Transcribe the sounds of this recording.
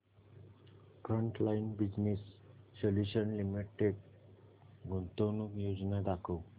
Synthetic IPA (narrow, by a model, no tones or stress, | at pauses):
fɾəɳʈlajnbid͡ʑnisːoljuɕənlimiʈeʈ̚ | ɡʱunt̪onukjod͡znad̪akʰow